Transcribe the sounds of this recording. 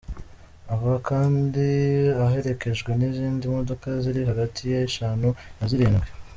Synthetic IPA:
avuakaːndiaɦe̞ɾe̞ke̞ʒɡwe̞niziːndimo̞do̞kaziɾiɦaɡatʰijaʃaːnunaziɾiːnɡwe

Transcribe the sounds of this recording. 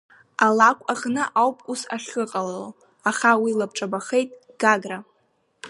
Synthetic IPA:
alakʷʼaχnɨʔawpʼusaχʲɨqʼalao | aχawilab̚ʈ͡ʂʼabaχejtʼ | ɡ̥aɡra

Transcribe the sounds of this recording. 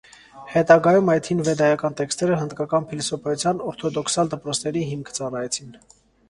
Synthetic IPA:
hɛt̪ɑɡɑjumɑjt̪ʰinvɛd̪ɑjɑkɑnt̪ɛkst̪ɛɾəɦənd̪kɑkɑnpʰilɔsɔpʰɑjut͡sʰjɑnɔɾt̪ʰɔd̪ɔkʰsɑld̪əpɾɔt͡sʰnɛɾiɦimkʰt͡sɑrɑjɛt͡sʰin

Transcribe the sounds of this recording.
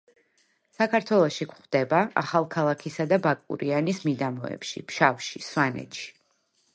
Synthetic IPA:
sakʰaɾt̪ʰwɛlˠɔʃikʷχd̪̥ɛbaa̰χalˠkʰalˠakʰisad̪abakʼṵɾianismid̪amɔɛ̰pʃḭpʃafʃiswanɛ̰t̪ʃi̥

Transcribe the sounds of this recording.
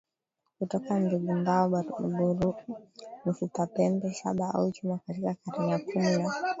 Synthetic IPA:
kutɔkamdiɡumbaɔɓauɓuɾu | m̩fitapɛmbɛʃa̰ɓaa̰ut͡ʃumakatikakaɾaɲakumina

